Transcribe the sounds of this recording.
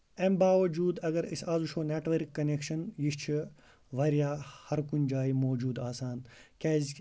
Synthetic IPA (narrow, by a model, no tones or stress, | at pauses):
embaːʋɐd͡ʒuːd̪ɐɡɐɾisaːzuʃoːneːʈʋɐɾkːɐneːkʃɐnjiʃt͡ʃʰi | ʋɐɾjaːhɐɾkund͡ʒaːimoːd͡ʒuːd̪aːsaːnkʲɛːz